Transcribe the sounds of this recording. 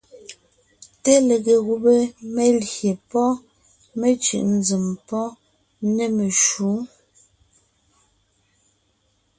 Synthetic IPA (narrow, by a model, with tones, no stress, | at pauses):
te˦le˨ɣe˨ɣu˨be˦me˦ljje˨pɔ˦ | me˦t͡ʃʉ̰˨ʔn̩˦d͡zi˨mpɔ˦ | ne˦me˨ʃu˨˦